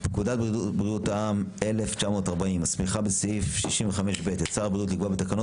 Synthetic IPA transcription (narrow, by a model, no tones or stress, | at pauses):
pekudat̚bibʁiutaame̞le̞ft͡ʃamo̞taʁbaimasmiχabesifʃiʃimveχameʃbe̞tjat͡saʁbʁiutliɡbuabet̪akano